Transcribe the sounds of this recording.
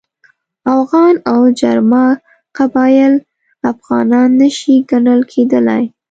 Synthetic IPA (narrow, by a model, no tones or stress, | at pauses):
afɣɑnawd͡ʒaɾmɑ | qabɑjɪl | afɣɑnɑnːəʃiɡaɳəlkʰed̪əla̰j